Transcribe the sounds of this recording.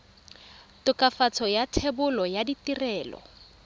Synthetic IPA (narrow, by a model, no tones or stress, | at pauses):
tʊkʼafat͡sʰɔjatʰebʊlɔjaditirɛːlɔ̰